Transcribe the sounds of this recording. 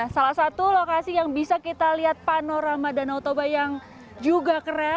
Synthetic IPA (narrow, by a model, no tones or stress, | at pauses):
asalahsat̪ulokasijaŋbisakit̪aliɦat̪̚panoɾamadanat̪obajaŋ | d͡ʒuɡakəɾa